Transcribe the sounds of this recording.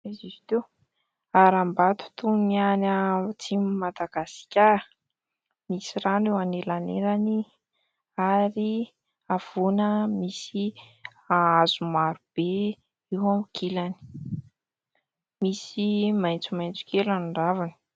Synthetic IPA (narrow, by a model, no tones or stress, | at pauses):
ezizi̥t̪ew | aɾambat̪u̥t̪unianat͡simmad̪aɡasi̥kʲa | misiɾanewanelanḛɾani | aɾi | av̥unəmisi | aazumaɾub̥e | iwamikʰilani̥ | misimajnt͡sumajnt͡su̥kelanuɳɖ͡ʐavani̥